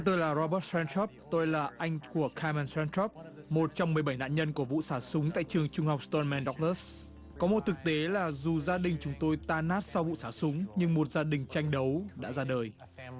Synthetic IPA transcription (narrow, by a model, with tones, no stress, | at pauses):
t̪əː˧jlaː˨˩zɔ˧ɓəː˦˥t̚sɛ˧ntʰɔ˦˥p̚t̪o˧jlaː˨˩ʔa˧jŋ̟ku˧˩əkʰa˧mɛ˧nsɛ˧ntʰɔ˦˥p̚mo˨˩t̚t͡ɕa˧wmːɨ˨˩əjɓa˧˩jna̰˧˨nɲə˧nku˧˩əvṵ˧˨saː˧˩sʊ˨˦ŋ͡mt̪a̰ː˧˨jt͡ɕɨ˨˩əŋt͡ɕʊ˧ŋ͡mha˨˩k͡p̚st̪ɔ˧nmɛ˧nɗɔ˦˥k̚ləː˦˥s | kɔ˨˦mo˨˩t̚t̪ʰɨ˨˩k̚t̪e˨˦laː˨˩zu˨˩zaː˧ɗï˨˩ŋ̟t͡ɕʊ˨˦ŋ͡mt̪o˧jt̪aː˧naː˦˥t̚sa˧wvṵ˧˨saː˧˩sʊ˨˦ŋ͡mɲɨ˧ŋmo˨˩t̚zaː˧ɗï˨˩ŋ̟t͡ɕa˧jŋ̟ɗə˨˦wɗa̰ː˧˥zaː˧ɗəː˨˩j